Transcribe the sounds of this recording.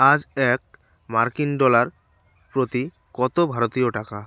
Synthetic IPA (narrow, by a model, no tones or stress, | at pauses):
ad͡ʑɛk̚ | maɾkinɖɔlaɾ | pɾot̪i | kɔt̪obʱaɾot̪ioʈaka